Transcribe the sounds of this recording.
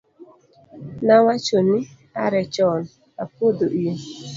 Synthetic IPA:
nawat͡ʃonɪ | aɾɛt͡ʃɔn | apod̪oʔie

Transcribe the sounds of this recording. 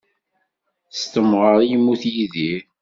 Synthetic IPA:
st̪əmʁəɾˤjimːuθjiðiɾ

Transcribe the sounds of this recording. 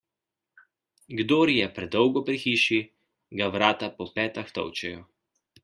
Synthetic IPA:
ɡd̪oːɾjɛpɾɛd̪ɔwɡɔpɾixiːʃi | ɡaʋɾaːt̪apɔpɛːt̪axt̪ɔ̰wt͡ʃɛjɔ

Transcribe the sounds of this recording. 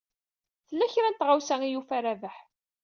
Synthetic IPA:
θəlːæçɾænt̪ʁawsæŋijufæɾævəħ

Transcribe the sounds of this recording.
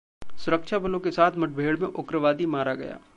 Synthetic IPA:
sʊɾəkʃabɐlõkesaːt̪ʰmɐʈ̚bʱeːɽmẽʔʊkɾəʋaːd̪imaːɾaɡɐ̰ja̰ː

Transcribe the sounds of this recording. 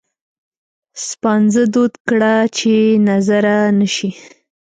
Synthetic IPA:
spɑnzəd̪od̪kɽat͡ʃenazaɾanəʃi

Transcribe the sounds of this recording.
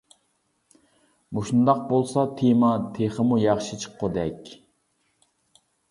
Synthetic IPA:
moʃund̪ɑq̚bolˠsɑt̪ʰemɑt̪ʰeχəmujɑχʃit͡ʃʰə̥qʰːʊd̪ɛkʲ

